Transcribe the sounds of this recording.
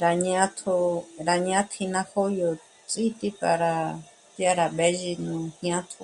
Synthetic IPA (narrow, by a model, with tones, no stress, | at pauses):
ɾa˧ɲã˦t̪ʰo˧ɾa˧ɲ˧ã˦t̪ʰĩ˧nã˧ho˦jo˧ | t͡sʼi˦t̪i˦ka˧ɾa˧ | tja˦ɾa˨βe˦ʒi˧nũ˧hɲã˦t̪ʰo˧